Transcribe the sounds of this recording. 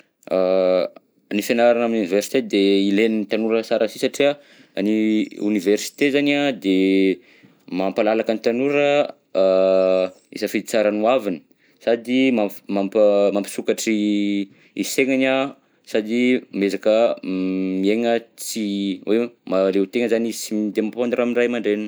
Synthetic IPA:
a | nifenaɾanaminuniversi̥t̪ed̪eilenint̪anuɾəsaɾasisaʈ͡ʂia | a̰niṵniversi̥t̪ezanad̪e | mampalalakənit̪anuɾə | ḭzəfid̪it͡saɾanuavini̥ | sad̪imamampmampi̥sukaʈ͡ʂi | iseŋana | sad̪imezakə | mieŋət͡siwʔemalewt̪eŋəzanisimid̪emapponiɾamiɳɖ͡ʐajmaɳɖ͡ʐenn

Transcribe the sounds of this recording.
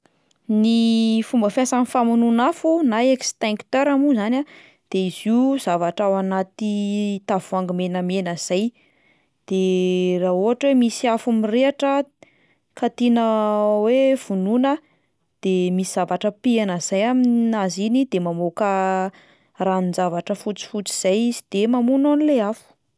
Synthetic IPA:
nifumbəfjasanifamununafunaekst̪ɛŋkt̪eɾamuzanʲa | d̪̥eiziuz̥avaʈ͡ʂawanat̪it̪avuaŋɡimenəmenaz̥aj | d̪̥erauɦaʈ͡ʂwemisiafumireaʈ͡ʂə | kat̪inəwev̥ununə | d̪̥emisiz̥avaʈ͡ʂəpianaz̥ajaminazinid̪emamokə | raninzavaʈ͡ʂəfut͡si̥fut͡si̥z̥ajiz̥id̪̥emamunonileafu̥

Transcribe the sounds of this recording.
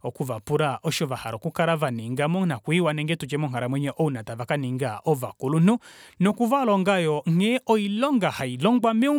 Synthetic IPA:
ɔkuvapuɾaɔʃɔvaha̰ɾɔkukaɾavaniŋɡamɔnakwiwanɛŋɡɛtut͡ʃɛmɔŋaɾamwɛɲɛʔɔunatavakaniŋɡaʔɔvakulununɔkuvalɔŋɡajɔŋɛʔɔilɔŋɡahailɔŋɡwamiu

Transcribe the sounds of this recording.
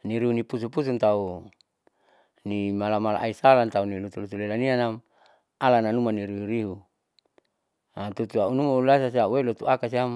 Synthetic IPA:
niɾiɦunipus̬upus̬unt̪au | nimalamala̰ʔaisalant̪aunilut̪ulut̪ulelanianam | alananumaniɾiɦuɾiɦu | at̪ut̪uaunumaulasasauwelot̪uakasiam

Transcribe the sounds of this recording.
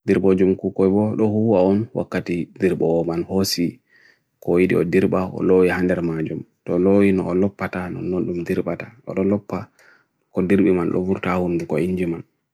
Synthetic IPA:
diɾɓod͡ʒumkukɔjbɔɗɔhuwaɔnwa̰kːatidiɾɓɔɔmanhosi | kɔjiɗḭɔdiɾɓaɔ̰lowihandɛɾmad͡ʒum | tɔlowinɔːlɔpːatanɔ̰nːonɗumdiɾɓataʔɔ̰ɗɔlɔpːa | kɔdiɾɓimanɗɔ̰vuɾtahundukɔiɲd͡ʒiman

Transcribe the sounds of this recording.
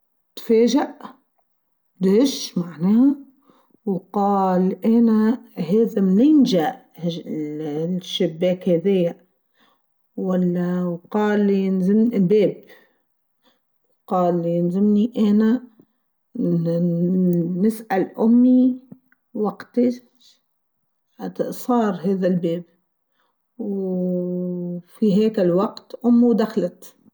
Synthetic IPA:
t̪feːʒaʔ | d̪hɪʃmaʕneːha | wqɑːlʔeːnaɦeːðamnɪnʒaʔ | h | ʃːɪbːeːkhaðɪːaʔ | walːawqɑːlːnzɪmbeːb | wqɑːljɪnzɪmniʔaːna | nɪsʔalʔʊmːi | waɡt̪i | at̪ʔsˤɑːɾˤɦeːðalbeːb̚ | w | fiɦeːkalwɑqt̪ʔʊmːiwd̪axalat̪

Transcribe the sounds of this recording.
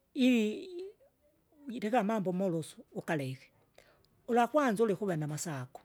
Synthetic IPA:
ili | iɾekamaːmbomolosu̥ːkalexe̥ | ulaxwanzlixuβenamasaku̥

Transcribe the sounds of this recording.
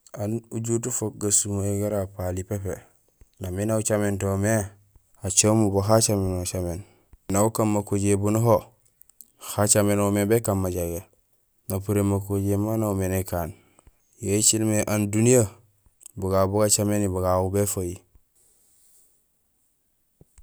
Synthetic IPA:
anuɟutufok̚ɡasumoeɡaɾapalipepe | naminaut͡ʃamentome | at͡ʃomuboɦat͡ʃamenot͡ʃamen | naukammakoɟebunuɦo | xat͡ʃamenomebekanmaɟaɡe | napuɾemakoɟemanaumenekan | jet͡ʃilmeʔandunija | buɡabuɡat͡ʃamenibuɡaubefaji

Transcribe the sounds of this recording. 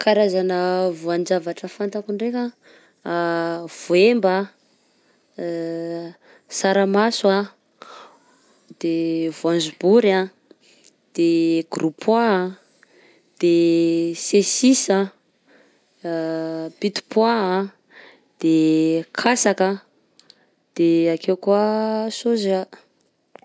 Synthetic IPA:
kʰaɾazanəvuand͡ʒavaʈ͡ʂəfant̪akuɳrekʲa | v̥oembə | saɾamaswa | d̪̥evuãnzubuɾa | d̪̥eɡ̥ɾupʰa | d̪̥esesisə | pit̪u̥pwa | d̪̥ekʰasakə | d̪̥eakewkuəsuza

